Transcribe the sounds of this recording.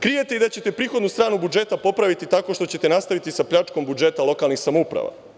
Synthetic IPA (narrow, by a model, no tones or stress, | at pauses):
kɾije̞t̪e̞id̪at͡ɕe̞t̪e̞pɾiːxo̞d̪nust̪ɾaːnubud͡ʒe̞t̪apo̞pɾaʋit̪it̪ako̞ʃt̪ot͡ɕe̞t̪e̞nast̪aʋit̪isapʎat͡ʃko̞mbud͡ʒe̞ːt̪alˠo̞kalˠnixsamoupɾa̰ʋa̰